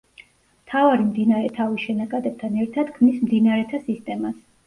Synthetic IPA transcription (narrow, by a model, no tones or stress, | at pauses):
mt̪ʰavaɾimd̪inaɾɛt̪ʰavisʃɛnakʼad̪ɛb̚t̪ʰanɛɾt̪ʰad̪ɡmismd̪inaɾɛt̪ʰasist̪ʼɛmas